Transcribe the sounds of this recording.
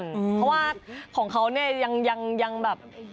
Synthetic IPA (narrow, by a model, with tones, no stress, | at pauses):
npʰɔ˦˥waː˥˩kʰɔː˩˦ŋkʰa˦˥wni˥˩ɐja˧ŋja˧ŋja˧ŋbɛː˨˩p̚